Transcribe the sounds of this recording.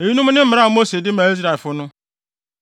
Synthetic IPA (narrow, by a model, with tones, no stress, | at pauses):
e˨ji˦nũ˦mʊ̃˦nɪ̃˦m̩˦˨ɾa˦˨mo˦se˨dɪ˦mã˨i˦z̬ɾa˨e˨fʊ˦nʊ̃˦